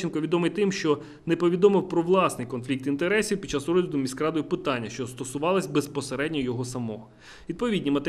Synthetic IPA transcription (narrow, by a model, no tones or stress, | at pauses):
inkɔʋʲid̪ɔmɪjt̪ɪmʃt͡ʃɔ | nepɔʋʲid̪ɔmɪwpɾɔʋlˠɑsnɪjkɔnflʲik̚t̪int̪eɾɛsʲiwpʲd̪̥̚t͡ʃasɾɔzʲʋʲid̪ʊmʲiskɾɑd̪ɔjipɪt̪ɑnʲːɐʃt͡ʃɔst̪ɔsʊʋɑlˠɐsʲbespɔseɾɛdʲnʲɔjɔɦɔsɐmɔ | ʋʲid̪pɔʋʲidʲnʲimɐt̪e